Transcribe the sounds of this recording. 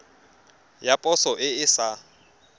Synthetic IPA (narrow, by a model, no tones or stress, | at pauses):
japʼɔsɔʔɪɪsa